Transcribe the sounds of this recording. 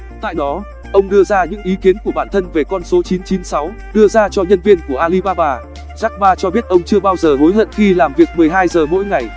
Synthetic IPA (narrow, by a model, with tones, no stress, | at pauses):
t̪a̰ː˧˨jɗɔ˨˦ | ʔə˧wŋ͡mɗɨ˧əzaː˧ɲɨ̰˧˥ŋʔi˨˦ki˨˦ənku˧˩əɓaː˧˩nt̪ʰə˧nve˨˩kɔ˧nso˨˦t͡ɕi˨˦nt͡ɕi˨˦nsa˨˦w | ɗɨ˧əzaː˧t͡ɕɔ˧ɲə˧nvi˧ənku˧˩əʔaː˧li˧ɓaː˧ɓaː˧ | zaː˦˥k̚ɓaː˧t͡ɕɔ˧ɓi˦˥ət̚ʔə˧wŋ͡mt͡ɕɨ˧əɓaː˧wzəː˨˩ɦo˨˦jɦə̰˧˨nxi˧laː˨˩mvi˨˩ək̚mɨ˨˩əjɦaː˧jzəː˨˩mo̰˧˥jŋa˨˩j